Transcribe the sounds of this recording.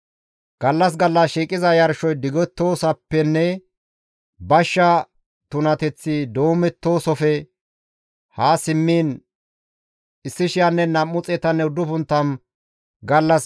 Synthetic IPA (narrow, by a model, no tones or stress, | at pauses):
ɡ̥ɐlːɐs̬ɡɐlːɐsʃiːkʼɪzɐjɐɾʃɔjd̪ɪɡɔt̪ːo̞ːsɐpːɛnːɛ | bɐʃːɐ | t̪ʊnɐt̪ɛt͡sːid̪oːmɛt̪ːo̞ːsɔfɛ | haːsɪmːiːn | ɪsːɪʃɪjanːɛnɐmːʊt͡sʼɛt̪ɐnːɛʊd̪ːʊpʊnt̪ːɐm | ɡɐlːɐs